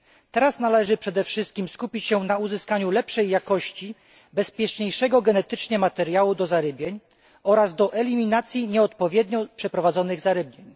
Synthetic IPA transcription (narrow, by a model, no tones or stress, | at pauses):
t̪ɛɾasnalɛʐɘpʂɛd̪ɛfʂɘst̪̚kʲimskupʲit͡ɕɕɛnauzɘskaɲulɛpʂɛjːakɔɕt͡ɕi | bɛspʲjɛt͡ʂɲejʂɛɡɔɡɛnɛt̪ɘt͡ʂɲɛmat̪ɛɾjawud̪ɔzaɾɘbʲjeɲ | ɔɾazd̪ɔʔɛlʲimʲinat̪sʲjiɲɛɔt̪̚pɔvʲjɛd̪ɲɔpʂɛpɾɔvad̪zɔnɘɣzaɾɘbɲeɲ